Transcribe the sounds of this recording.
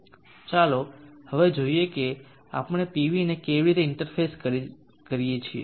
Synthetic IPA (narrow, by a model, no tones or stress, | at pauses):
t͡ʃalohəʋed͡ʒoieke | a̰pɳ̃epiʋinekeʋiɾit̪eɪɳʈəɾfʰeskə | kəɾijet͡ʃʰiḛ